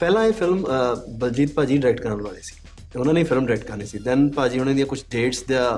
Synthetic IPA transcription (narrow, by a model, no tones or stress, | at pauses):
pɛːlãːeːpʰɪlmbəld͡ʒiːt̪̚paːd͡ʒiːɖɪɾɛːk̚ʈkəɾːlaːleːsi̥ː | ʊnãːnĩːpʰɪlmɖɾɛːk̚ʈ̚kəɾneːsiːd̪ɛ̃ːnpaːd͡ʒiːɦoneːd̪ijãːkʊt͡ʃʰɖeːʈsd̪jaː